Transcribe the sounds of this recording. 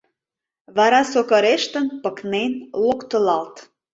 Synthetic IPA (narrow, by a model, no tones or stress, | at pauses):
βɑɾɑsokəɾeʃt̪ənpəknenlokt̪ə̆lɑlt̪